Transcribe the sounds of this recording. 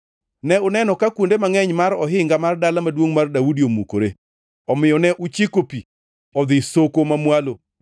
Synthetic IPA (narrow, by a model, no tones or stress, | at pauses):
nɛʊnɛnɔkakwondemaŋɛɲmaɾɔɦɪŋɡamardalamadwoŋmardawudiomukoɾe | ɔmɪjɔnɛʔut͡ʃekopi | ɔd̪ɪsokomamwalo